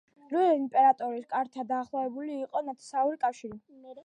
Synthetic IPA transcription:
ɾuɛimpʼɛɾat̪ʼɔɾiskʼaɾt̪ʰad̪aːχlˠɔvɛbuliːqʼɔnat̪ʰi̥sauɾikʼafʃiɾi

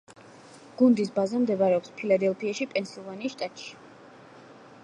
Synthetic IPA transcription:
ɡ̥und̪is̬bazamd̪ɛbaɾɛɔpspʰilad̪ɛlˠpʰiaʃipʼɛnsilˠvaniːʃt̪ʼat̪ʼʃi̥

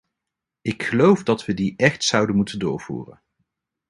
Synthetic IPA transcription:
ɪkχəlowfdɑtʋədiʔɛχtsʌwdənmutəndʊ̰ːɹv̥ṵːrə̰n

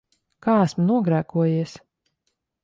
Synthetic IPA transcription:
kaːæsmnuɔɡɾæːkuɔjiɛs

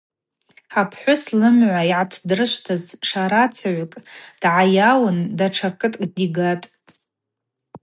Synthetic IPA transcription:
apʰħʷʊslɨmʕʷaiʕatʰdɨrɨʃʷtʰazʂaɾat͡sʰaʕʷakʼd̥ʕajawɨndaʈ͡ʂʰakʰʼɨtʼkʼdiɡatʼ

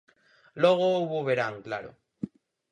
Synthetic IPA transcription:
loɣ̞ouβoβeɾaŋkla̰ɾo̰

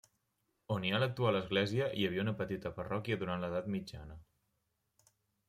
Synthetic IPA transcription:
onialək̚t̪ualəzɣlɛziəʔiəβ̞iəunəpət̪it̪əpərɔkjəðuɾant̪ləðat̪mid͡ʒa̰nə

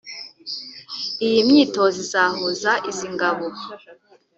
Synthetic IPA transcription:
ijimɲiːto̞zizaːhozaʔiziŋɡaβo

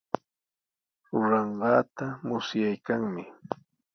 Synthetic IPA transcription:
ɾʊɾɑɴɢɑːt̪amʊsjajkaŋmɪ

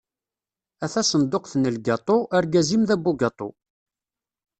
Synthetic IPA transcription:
æθæsənd̪oqθnəlɡɑt̪ˤoʔaɾɡæzimðæbːuɡɑt̪ˤo̰

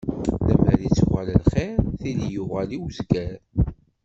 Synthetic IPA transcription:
læmæɾit͡sːwæləlχɪɾθilijʊʁæliwzɡæɾ

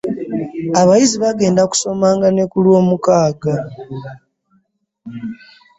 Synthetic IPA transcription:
aβajiziβaɡe̞ːndaku̥so̞maːŋɡane̞kulwo̞ːmukaːɡa

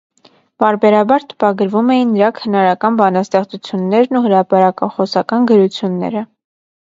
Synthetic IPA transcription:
pɑɾbɛɾɑbɑɾt̪ə̥pɑɡəɾvumɛjinːəɾɑkʰhənɑɾɑkɑnbɑnɑst̪ɛχt͡sut͡sʰjunːɛɾnuɦəɾɑpɑɾɑkɑχɔsɑkɑnɡəɾut͡sʰjunːɛ̰ɾə

